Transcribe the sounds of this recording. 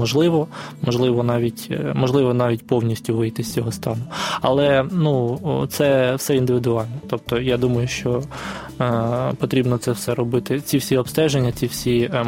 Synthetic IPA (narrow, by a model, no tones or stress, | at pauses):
ɔʒlˠɪʋɔ | mɔʒlˠɪʋɔnɑʋʲitʲmɔʒlˠɪʋɔnɑʋʲitʲpɔwnʲisʲtʲʊʋɪjt̪ɪsʲt͡sʲɔɦɔst̪ɑnʊɐ̰lˠɛnut̪sɛwsɛind̪ɪʋʲɪd̪ʊɑlʲnɔt̪ɔp̚t̪ɔjad̪umɐjʊʃt͡ʃɔ | pɔt̪ɾʲibnɔt̪sɛwsɛɾɔbɪt̪ɪt͡sʲiwsʲiɔpst̪ɛʒenʲːɐt͡sʲiwsʲi